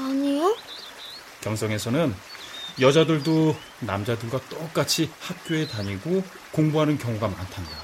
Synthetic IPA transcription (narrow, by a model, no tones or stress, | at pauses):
aɲijo | kjʌŋs͈ʰʌŋe̞sʰʌnɯnjʌd͡ʑadɯɭdo | namd͡ʑadɯɭɡwat͈ʌk͈at͡ɕʰihak̚k͈joe̞taɲiɡo | koŋbuɦanɯnkjʌŋoɡamantʰanda